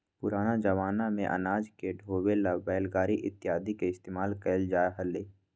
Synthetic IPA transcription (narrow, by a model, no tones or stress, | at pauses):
pʊɾaːnad͡ʒəʋaːnamẽʔɐ̰naːd͡ʒkeɖʱoːwelabɛːlɡaːɾiʔɪt̪ːɪjaːd̪ikeɪst̪eːmaːlkəːld͡ʒaːeɦəleː